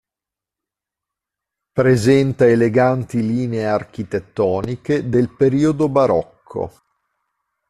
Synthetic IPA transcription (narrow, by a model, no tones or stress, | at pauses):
pɾezɛnt̪aeleɡant̪iliːneeark̟it̪et̪ːɔːniked̪elpeɾiːod̪obaɾɔkʰːo̰